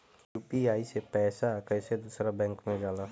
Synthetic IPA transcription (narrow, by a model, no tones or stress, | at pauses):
juːpiaːisepɛːsakəːsed̪uːsɾabɛ̃ŋkmẽd͡ʒaːlaː